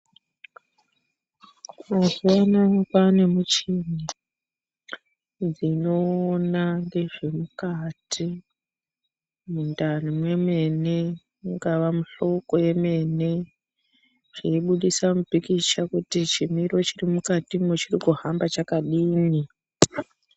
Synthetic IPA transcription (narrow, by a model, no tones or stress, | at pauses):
ozianakwane̞mut͡ʃini | d͡zino̞ːnaŋɡe̞ʐe̞mukatʰi | mundanimwe̞me̞ne | ŋɡaʋamuɬo̞ko̞je̞me̞ne̞ | ʐ̥eiɓuɗisamupikiʃakutit͡ʃimiɾo̞t͡ʃirimukatimwet͡ʃirikuhambat͡ʃakaɗiːni